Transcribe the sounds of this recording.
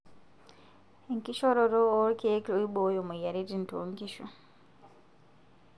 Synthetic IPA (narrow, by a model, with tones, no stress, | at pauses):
e˨ŋki˦ʃo˦ɾo˨ɾo˦o˦ke˦e˦ko˨i˦ɓo˨˦jo˨mu˨ja˨ɾe˦ti˦˨n˨tːŋki˦ʃo̰˨